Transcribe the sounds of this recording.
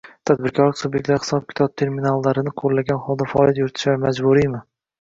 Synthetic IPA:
t̪ʰad̪̚bɪɾkʰɒɾlɪkʲsubjek̚ʲt̪laɾhɪ̥sɒp̚kʲʰɪ̥t̪ʰɒb̚t̪ʰe̞ɾmɪnalːaɾɪnɪqʰoɾlːaɡʲanhɒlˠd̪afaɒlʲˠijat̪̬jʊɾɪt̪ʰɪ̥ʃaɾmad͡ʒbʊɾijmɪ

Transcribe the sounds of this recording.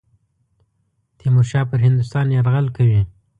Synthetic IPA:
t̪ʰimuɾʃɑpəɾɦɪnd̪ʊst̪ɑnjɑɾɣalkawi

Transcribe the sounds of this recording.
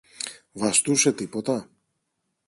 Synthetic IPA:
vɐst̪use̞t̪ipo̞t̪ɐ

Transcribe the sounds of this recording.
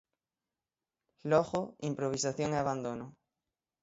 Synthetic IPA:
lɔɣoimpɾoβ̞isaθjoŋeaβand̪onʊ

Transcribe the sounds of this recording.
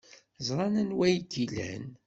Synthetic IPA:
zˤɾˤɑnænwæjɡilæ̰n

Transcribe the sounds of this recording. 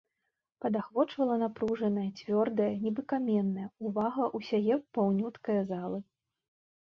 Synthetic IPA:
pɐd̪axvɔt͡ʂvɐlˠɐnapɾuʐɐnɐjɐt͡sʲvʲɔrd̪ɐjɐnʲɛbɨkamʲɛnːɐjɐuvaɣɐʔusʲajɛpawnʲut̪kɐjɐzalˠɨ

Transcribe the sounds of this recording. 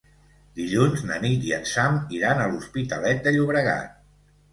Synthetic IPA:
d̪iʎunznə̰nit̪iənsamiɾanəluspit̪əlɛt̪̚d̪əʎuβɾəɣa̰t̪̚

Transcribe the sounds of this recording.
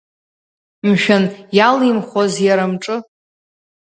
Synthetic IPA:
mʃᶣanjalimχʷazjaɾamʈ͡ʂʼɨ

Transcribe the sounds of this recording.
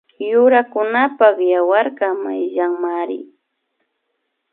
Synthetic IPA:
jʊɾakʊnapɑχjawaɾɢɑma̰jʒaŋmaɾɪ̰

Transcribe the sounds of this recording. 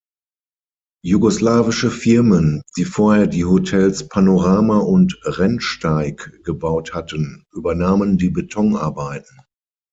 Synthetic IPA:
juɡoslaːvɪʃəfɪɐmənd̥iːfoːɐheːɐdiːhotʰɛlspʰanoʁaːmaʊntʁɛnʃtaɪkɡ̥əbaʊthatənʔyːbɐnaːməndiːbetʰɔŋʔa̰ɐbaɪtn̩

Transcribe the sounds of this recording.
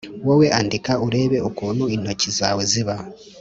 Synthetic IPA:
wowe̞ʔandikauɾe̞ːβe̞okuːnuino̞cizaːweziβa

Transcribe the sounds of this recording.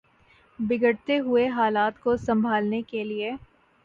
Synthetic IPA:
bɪɡəɽt̪eɦʊeɦaːlaːt̪kosɐ̃mbʱaːlnekelie

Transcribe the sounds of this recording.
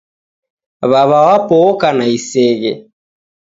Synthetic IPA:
βaβawapɔɔkanaisɛɣɛ

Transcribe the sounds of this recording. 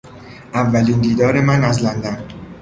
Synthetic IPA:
ʔævːæliːnd̪iːd̪ɒːɾe̞mænæzlænd̪æn

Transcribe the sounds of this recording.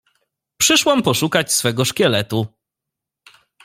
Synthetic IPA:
pʂɘʂwampɔʂukat͡ɕsfɛɡɔʂkʲɛlɛt̪u

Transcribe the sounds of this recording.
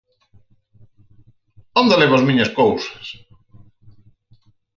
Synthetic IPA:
ond̪aleβazmĩɲɐskowsɐ̥s

